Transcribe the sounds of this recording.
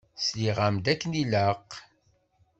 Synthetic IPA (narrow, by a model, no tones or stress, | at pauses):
sliʁamd̪ækːənilaq